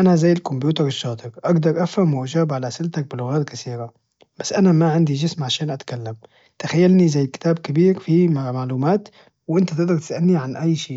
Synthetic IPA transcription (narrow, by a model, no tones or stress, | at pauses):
ʔanazajːɪlkʊmbjuːt̪ɑɾɪʃːɑːt̪ˤɨɾʔaɡd̪ɑɾˤʔafhamwʔad͡ʒaːbʕalasɪlt̪ak̚bɪlʊɣaːt̪kaθiːɾa | b̥asːʔanamaʕɪnd̪iʒɪsmʕaʃaːnʔat̪kalːam | t̪axajːalnizajːkɪ̥t̪aːb̚kɪbiːɾfimamaʕluːmaːt̪ | wʔɪnt̪at̪ɪɡd̪ɑɾˤt̪ɪ̥sʔalniʕanʔajːʃiː